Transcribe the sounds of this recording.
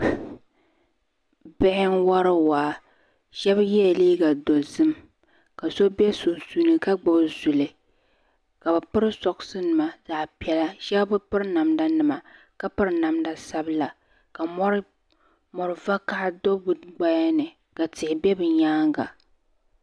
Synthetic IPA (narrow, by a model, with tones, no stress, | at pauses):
bɛ˦hɪ˦ŋwa˦ɾɨ˦waː˨ | ʒɛ˦bjɛ˦˨liː˦ɡa˨dɔ˨zɨ˦m | ka˨so˦bɛ˦so˨su˦nɨ˦ka˦ɡ͡bo˨zu˨lɨ˨ | ka˨bɨ˨pɨ˦ɾɨ˦sɔ˨ksɨ˦nɨ˨ma˨za˨pi˨ɛ˨la˦ʃɛ˦bbɨ˦pɨ˦ɾna˨mda˦nɨ˨ma˨ | ka˦pɨ˦ɾna˨mda˦sa˦bɨ˦la˨ | ka˨mɔ˦ɾ | mɔ˨ɾɨ˨va˦ka˦ʔdo˦bu˨ɡ͡ba˦ja˦nɨ˨ | ka˨tɪ˨hɪ˨bɛ˦bɨ˨ɲaː˦ŋɡa̰˨